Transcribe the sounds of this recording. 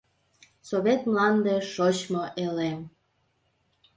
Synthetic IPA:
soβet̪mlɑnd̪eʃot͡ɕmoʔelem

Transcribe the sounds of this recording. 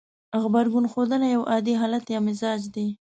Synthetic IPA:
ɣbaɾɡunxod̪əlajawʔɑd̪iɦɑlat̪jɑmɪzɑd͡ʒd̪e

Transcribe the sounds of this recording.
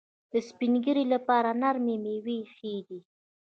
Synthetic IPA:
d̪̥əspinɡəɾilapɑɾanaɾmemewexed̪i

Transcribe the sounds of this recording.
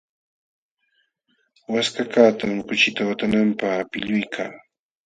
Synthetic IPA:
waskakaːt̪aŋkʊt͡ʃɪt̪awat̪anampaχpɪʎʊjkʰaː

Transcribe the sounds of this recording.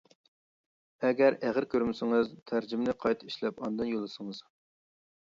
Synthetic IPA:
ɛɡʲɛɾæʁəɾkʲʰøɾmɪsɪŋɨzt̪ʰæɾd͡ʒɪmnɪqʰɑjt̪ʰɨ̥iʃlɛpɑnd̪ɨnjolˠːɨsɨŋɨz̥

